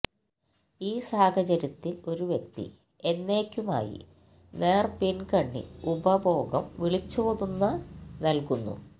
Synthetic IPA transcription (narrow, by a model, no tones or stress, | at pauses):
iːsaːhɐt͡ɕɐɾɐt̪ːilo̞ɾuʋjek̚t̪ḭ | e̞nːe̞ːkʲːuma̰ːjḭ | ne̞ːrpinkɐɳːḭubɐbʱo̞ːɡɐmʋiɭit͡ɕːuːðunːɐnɐlkunːṵ